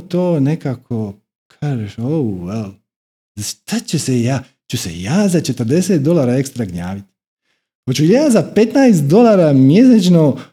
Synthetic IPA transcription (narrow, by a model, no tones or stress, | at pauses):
t̪oːnekaːkʰo | kʰaːʒeʃoujel | ʃt̪at͡ɕesejaː | t͡ɕusḛjaːzat͡ʃe̞t̪ərd̪e̞seːt̪̚d̪o̞lˠaːɾaːekst̪ɾaɡɲa̰ːʋit̪i̥ | pat͡ɕujaːzape̞t̪najs̬t̪̚d̪o̞lˠaːɾamje̞s̬et͡ʃno